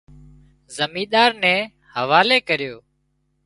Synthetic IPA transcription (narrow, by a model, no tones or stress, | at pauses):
zəmĩːɗ̪aːɾnɛ̃ː | həʋaːleːkəɾɪjoː